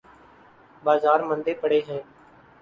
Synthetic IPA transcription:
baːzaːɾmənd̪eːpəɽeːɦɛ̃ː

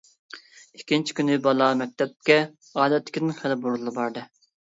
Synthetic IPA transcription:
ikʲːint͡ʃʰi̥kʲynɪbɑlˠɑmɛk̚ʲt̪ʰɛp̚kʲɛ | ɑːd̪ɛt̪ʰːɪ̥kʲid̪nɪnχælɪbuɾlˠɨbɑɾd̪ɨ

